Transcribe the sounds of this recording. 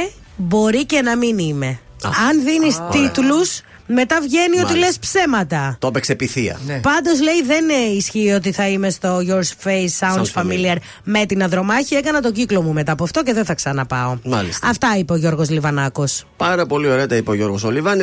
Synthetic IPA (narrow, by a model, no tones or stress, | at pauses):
bo̞ɾice̞nɐminime̞ɐnðinist̪it̪lus | me̞t̪ɐvʝe̞nio̞t̪ilespse̞mɐt̪ɐt̪oɐpeksepiθiɐ̰pɐnd̪o̞zle̞iðe̞nisçiːo̞t̪̬iθɐime̞st̪o̞ʝoɾsfejsɐunnsfɐmiliɐɾ | me̞t̪inɐðɾo̞mɐçie̞kɐnɐt̪o̞ɟiklo̞mume̞t̪ɐpoɐft̪o̞ce̞ðeθɐksɐnɐpɐo̞mɐllisɐft̪ɐipeoʝo̞ɾɣo̞zlivɐnɐko̞spɐɾɐpo̞lio̞ɾeɐt̪ɐipeoʝo̞ɾɣosolivɐn